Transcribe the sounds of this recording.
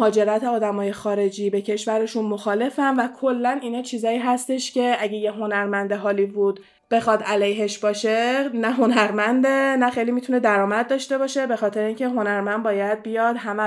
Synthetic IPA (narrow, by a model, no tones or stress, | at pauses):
hɒːd͡ʒe̞ɾæt̪ʰeɒːd̪æmɒːje̞xɒːɾe̞d͡ʒiːbe̞cʰe̞ʃvæɾe̞ʃunmo̞xɒːle̞fænvækʰo̞lːæniːnɒːt͡ʃʰiːzɒːiːɦæst̪e̞ʃcʰe̞æɟejeɦo̞næɾmænd̪eɦɒːliːbuːd̪ | b̥e̞xɒːd̪ʔælejɦeʃbɒːʃe̞næɦo̞næɾmænd̪enæxejlimit̪ʰune̞d̪æɾɒːmæd̪̚d̪ɒːʃt̪e̞bɒːʃe̞be̞xɒːt̪ʰe̞ɾeiːŋcʰe̞ɦo̞næɾmænd̪bɒːjæd̪̥̚bijɒd̪ɦæmæ